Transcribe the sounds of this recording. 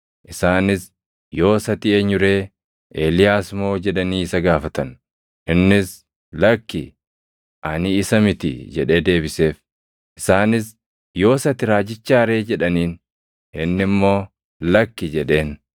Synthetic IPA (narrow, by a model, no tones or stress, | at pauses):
ʔɪsaːnɪs | jo̞ːsɐt̪ɪeːɲːʊɾe̞ː | ʔeːlɪjaːsmo̞ːd͡ʒɛᶑɐniːɪsɐɡaːfɐt̪ɐn | ʔɪnːɪs | lɐkːɪ | ʔɐnɪːsɐmɪt̪ɪ̰d͡ʒɛᶑe̞ːd̪e̞ːbɪse̞ːf | ʔɪsaːnɪs | jo̞ːsɐt̪ɪɾaːd͡ʒɪt͡ʃːaːɾe̞ːd͡ʒɛᶑɐniːn | ʔɪnːɪmːo̞ː | lɐkːɪd͡ʒɛᶑe̞ːn